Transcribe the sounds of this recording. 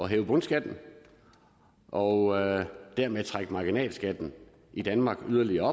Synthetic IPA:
ɒ̽ɦeːʊb̥ɔ̽nsɡ̥æd̥n̩ | ʔɒ̽ | d̥æɐmeðˠt͡sʰʁaɡ̥əmɑ̈ɡ̥inɛ̰ːlsɡ̥æd̥n̩ | id̥ænmɑ̈ːɡ̥yð̞ˠɐliɐɒ̽

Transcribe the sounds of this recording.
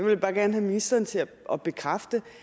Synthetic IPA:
ɑʋe̝ljb̥ɑ̈ːɡ̥æɐnɦæminisd̥ɐːnət͡sʰe̝æ | ʔɒ̽b̥e̝kʰʁɑfd̥ə

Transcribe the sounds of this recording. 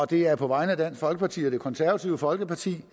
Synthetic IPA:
ɒ̽d̥e̝æɐpʰɒ̽ʋɑ̈ɪnəæd̥æn̰sfɒ̽lɡəpʰɑ̈t͡sʰḭːɒd̥e̝kʰɒ̽nsæɐʋæt͡sʰiʊəfɒ̽lɡ̥əpʰɑ̈t͡sʰḭː

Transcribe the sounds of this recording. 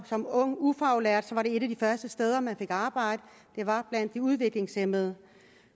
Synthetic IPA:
sɒ̽mɔ̽ŋ̰ufɑ̈ʊlæɐ̰d̥sɒ̽ʋɑ̈ɾe̝e̝ɾæd̥ifɶɐsd̥əsd̥eːð̞ˠɐmænfe̝ɡ̥ɑ̈ːb̥ɑ̈ɪ̰d̥ə | d̥e̝ʋɑ̈b̥læn̰d̥ːiuð̞ˠʋe̝ɡ̥le̝ŋsem̰ð̞̩ˠ

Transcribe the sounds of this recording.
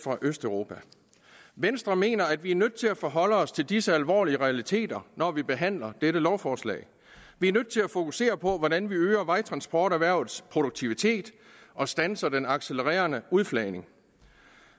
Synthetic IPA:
fʁɑ̈ʔøsd̥œʊʁo̝ːpʰæ | ʋensd̥ʁɐme̝̰ːnɐæd̥ʋiæɐnøðd̥̚ˠt͡sʰe̝læfɒːɦɒ̽l̰əɒ̽st͡sʰe̝ld̥isəælʋɒ̰ːliəʁɛælit͡sʰe̝̰ːd̥ɐnɒʋib̥e̝ɦæn̰lɐd̥eɾəlɒʊfɒːslɛ̰ɪ | ʋiæɐnøð̥̰ˠt͡sʰe̝læfo̝kʰuse̝̰ːɐpʰɒ̽ʋɒɾænʋiøːɐʋɑ̈ɪt͡sʰʁɑ̈nsb̥ʰɒ̰ːɾæʋæɐ̰ʊð̩ˠspʰʁo̝ɾ̥oɡ̥̚t͡sʰiʋit͡sʰe̝̰ːd̥ | ʔɒ̽sd̥ænsɐd̥enɑ̈ɡ̥seləʁɛ̰ːɐnəuð̞ˠflɛɪne̝ŋ

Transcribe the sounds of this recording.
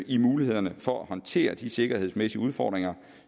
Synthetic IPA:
ʔimuːlihe̝ð̞̰ˠɐnəfɒ̽æhɒ̽nt͡sʰe̝̰ːɐd̥ise̝ɡ̥ɐhe̝ðˠsmesiəuðˠfɒːd̥ʁeŋɐ

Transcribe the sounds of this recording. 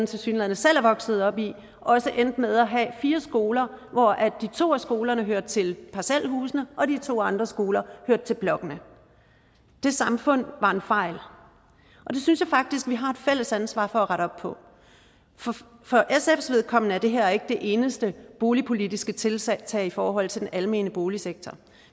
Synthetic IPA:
n̩t͡sʰe̝lsyːnlæð̰ˠn̩əsel̰æɐʋɒ̽ɡ̥sð̞̩ˠɒ̽b̥i | ʔɒ̽səʔend̥með̞ˠɒɦɛfiːɐsɡ̥o̝ːlɐʋɒʔæd̥ːit͡sʰo̝̰ːæsɡ̥o̝ːlɐnəɦøɐd̥̚t͡sʰe̝lpʰɑsæl̰ɦuːsnəʔɒ̽dit͡sʰo̝̰ːɑ̈nd̥ʁɐsɡ̥o̝ːlɐhøɐ̰d̥̚t͡sʰe̝lb̥lɒ̽ɡ̥ənə | d̥e̝sɑ̈mfɔ̽n̰ʋɑ̈e̝nfɑ̈ɪ̰l | ʔɒ̽d̥e̝synsjɑ̈ɪfɑ̈ɡ̥̚d̥isɡ̥ʋiɦɑ̈e̝d̥fel̰əsænsʋɑ̰̈ːfɒ̽æʁɑɾ̥ɒ̽b̥̚pʰɒ̽ | ffɒ̽ʔesefsʋe̝ð̞ˠkʰɒ̽m̰nəæɐd̥e̝ɦeɐe̝ɡ̥əd̥e̝ʔe̝ːnəsd̥əb̥o̝ːlipʰo̝lidisɡ̥ət͡sʰe̝lsɛt͡sʰɛ̰ːifɒːɦɒ̽l̰t͡sʰe̝d̥enʔælme̝̰ːnəb̥o̝ːliseɡ̥̚t͡sʰɒ

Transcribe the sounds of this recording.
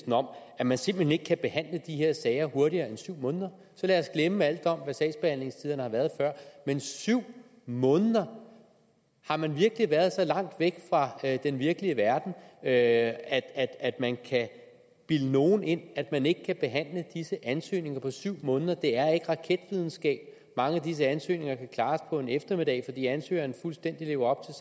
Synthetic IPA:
sn̩ɒ̽m̰æmænse̝mb̥l̩hene̝ɡ̥kʰæb̥e̝hæn̰ləd̥ihe̝ɐ̰sɛɪɐho̝ɐɾ̥iɐːensyʊ̰mɔ̽ːnðˠɐ | sɒ̽læɒsɡ̥leməæl̰d̥ɒ̽m̰ʋæsɛ̰ːsb̥e̝hæn̰le̝ŋst͡sʰið̰ˠɐnəhɑ̈ʋæɐðˠfɶɐ̰mensyʊ̰ | mɔ̽ːnəð̩ˠɐ | hɑ̈mænʋiɐɡ̥əliʋæːɐð̞ˠsɒ̽lɑ̈ŋ̰d̥ʋeɡ̥fʁɑ̈d̥enʋiɐɡ̥əliəʋæɐd̥n̩øæd̥æd̥æd̥mænkʰæ | b̥iləno̝ːn̩e̝n̰æd̥mæne̝ɡ̥ə̥kʰæb̥e̝ɦæn̰ləd̥isəʔænsø̰ːne̝ŋɐpʰɒ̽syʊ̰mɔ̽ːnðˠɐd̥e̝æɐe̝ɡ̥ʁɑ̈kʰed̥ʋið̞ˠn̩sɡ̥ɛ̰ːb̥ | mɑ̈ŋəædis̬əænsø̰ːne̝ŋɐkʰækʰlɑ̈ːspʰɒ̽e̝nefd̥ɐme̝d̥ɛ̰ɪfɒd̥ḭːænsø̰ːɐnəfulsd̥en̰d̥ile̝ːʊɐɒ̽b̥t͡sʰe̝

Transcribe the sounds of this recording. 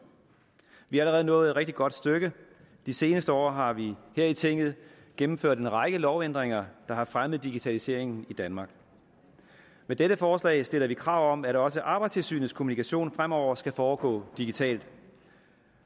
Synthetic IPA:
ʋihɑ̈æləʁɛːðˠnɔ̽ːð̩ˠe̥ʁeɡ̥̚d̥iɡ̥ɒ̽d̥sd̥øɡ̥ə | d̥ise̝ːnəsd̥əɒ̰ːɦɑ̈ʋiheɐit͡sʰeŋ̰ɡð̞̩ˠ | ɡ̥emm̩føɐ̰ɾ̥enʁɑ̈ɡ̥əlɒʊen̰d̥ʁeŋ̰ɐd̥ɑ̈hɑ̈fʁamð̞̩ˠd̥iɡ̥it͡sʰælise̝ɐ̰e̝ŋn̩id̥ænmɑ̈ːɡ̥ | med̥eɾəfɒːslɛ̰ːɪsd̥e̝l̰ɐʋikʰʁɑ̈ʊ̰ɒ̽m̰æɾɒ̽səʔɑ̈ːb̥ɑ̈ɪdst͡sʰe̝lsy̰ːnð̩skʰo̝munikʰæɕo̝̰ːnfʁamɒʊ̰ɐsɡ̥æfɒːɡ̥ɔ̰̽ːd̥iɡ̥it͡sʰɛ̰ːld̥

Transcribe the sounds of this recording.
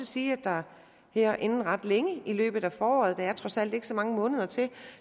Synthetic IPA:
siːæd̥ɑ̈ | heɐ̰ʔe̝nn̩ʁɑ̈d̥leŋəilø̰ːb̥ð̞̩ˠæfɒːɒ̰ːð̞̩ˠd̥ɑ̈æɐt͡sʰʁɒ̽sæl̰d̥e̝ɡ̥əsɒ̽mɑ̈ŋəmɔ̽ːnəð̞ˠɐt͡sʰe̝l

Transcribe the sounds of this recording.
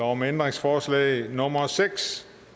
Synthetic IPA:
ɐɒmend̥ʁeŋsfɒːslɛ̰ɪnɔ̽mɐseɡ̥s

